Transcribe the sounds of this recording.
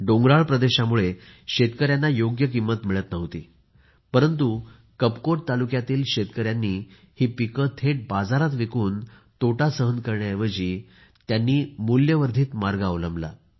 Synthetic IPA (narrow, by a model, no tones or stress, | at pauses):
ɖoŋɡɾaɭpɾəd̪eɕamuɭe | ɕet̪kəɾjanːajoɡjək̬imːət̪miɭət̪nəɦt̪iː | pəɾənt̪u | kəpkoʈ̚t̪alukjat̪iːlɕet̪kəɾjanːiː | hiːpikət̪ʰeʈ̚bad͡zaɾat̪ʋikuːn | t̪oʈasəɦənkəɾɳjajeʋəd͡ʑiː | t̪janːiːmuljəʋəɾd̪ʱiːt̪maɾɡaəʋləmbla̰